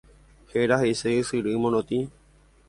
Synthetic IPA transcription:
heɾaɦeseɨsɨɾɨmõnõt̪i

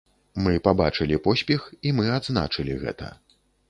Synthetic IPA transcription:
mɨpabat͡ʂɨlʲipɔsʲpʲɛximɨad̪zna̰t͡ʂɨlʲiɣɛ̰t̪ɐ̰

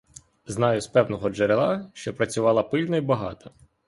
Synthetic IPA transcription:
znɑjʊspɛwnɔɦɔd͡ʒeɾelˠɑʃt͡ʃɔpɾɐt͡sʲʊʋɑlˠɐpɪlʲnɔibɐɦɑ̰t̪ɐ

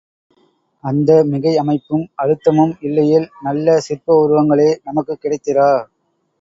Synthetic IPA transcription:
ɐnd̪ɐmɪɣɐɪɐmɐɪpːɯmɐɾɯt̪ːɐmɐmɪlːɐjɪlnɐlːɐsɪrpɐʊɾɯʋɐŋɡɐɭeːnɐmɐkːɯkːɪɽɐɪt̪ːɪraː

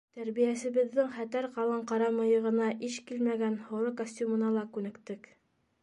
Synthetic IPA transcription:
t̪æɾβijæsɘ̆βɘ̆ðːɘŋχæt̪æɾqɑlˠɤɴqɑɾɑmɤ̆jɤ̆ʁɤ̆nɑʔiʃkilmæɡænhŏɾɤkosʲtʲumɤ̆nɑlˠɑkʉnɘ̆kt̪ɘk

